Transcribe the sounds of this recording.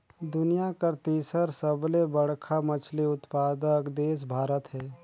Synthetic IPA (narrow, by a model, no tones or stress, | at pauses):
d̪ʊnijakəɾt̪iːsəɾsəblebəɽkʰamət͡ʃʰliʊt̪paːd̪əkd̪eːs̬bʱaːɾət̪ɦɛː